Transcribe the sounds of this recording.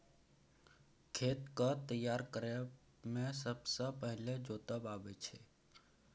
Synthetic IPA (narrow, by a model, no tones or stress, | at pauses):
kʰet̪kət̪əjːaɾkəɾe | mẽsəbsə̃pəɦɪled͡ʒot̪əbabet͡ʃʰe